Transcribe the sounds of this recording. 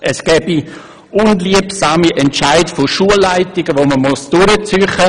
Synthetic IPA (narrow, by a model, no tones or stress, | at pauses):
ʔɛsɡ̥ɛːbi | ʔʊnliəpsaːmiʔɛntʃaɪdfoʃuəlːaɪtɪɡəʋoməmʊsd̥ʊɾət͡syχə